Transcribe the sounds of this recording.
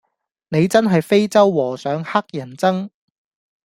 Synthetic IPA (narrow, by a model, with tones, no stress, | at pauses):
ne˨˧jt͡sɐ˥nɦɐ˨jfe˥jt͡sɐ˥wːɔː˨˩sœː˨˧ŋha˥k̚jɐ˨˩nt͡sɐ˥ŋ